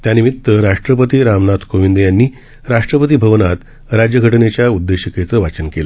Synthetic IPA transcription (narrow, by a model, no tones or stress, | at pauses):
t̪janimit̪ːəɾaʂʈɾəpət̪iːɾamnat̪koʋind̪əjanːiː | ɾaʂʈɾəpət̪̬iːbʱəʋnat̪ | ɾad͡ʑjəɡʱəʈnet͡ɕjaud̪ːeɕəket͡səːʋat͡ɕənkelə